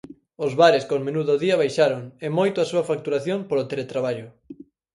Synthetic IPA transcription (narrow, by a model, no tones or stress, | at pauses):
ozβaɾɪskoŋmenuðoðiɐβajʃaɾoŋemojt̪oasuɐfak̚t̪uɾaθjoŋpoɾot̪elet̪ɾaβaʎʊ